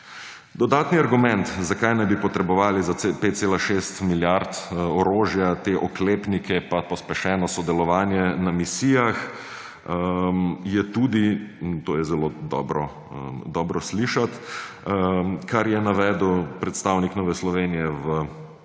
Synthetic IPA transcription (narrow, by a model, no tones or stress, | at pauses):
d̪ɔd̪aːt̪niaɾɡumɛ̃nt̪zakajnajbipɔt̪ɾɛbɔʋaːlizaepet̪t̪seːlaʃeːst̪miljaɾt̪ɔɾoːʒjat̪eʔɔkleːpnikʰɛpapɔspɛʃɛːnɔsɔd̪ɛlɔʋaːnjɛnamisijax | əmjɛt̪uːd̪int̪oːjɛzɛloːd̪ɔ̰ːbɾɔ | əd̪ɔːbɾɔsliʃat̪ | kʰaɾjɛnaʋɛːd̪wpɾɛt̪st̪awniknɔːʋɛslɔʋeːnijɛʋə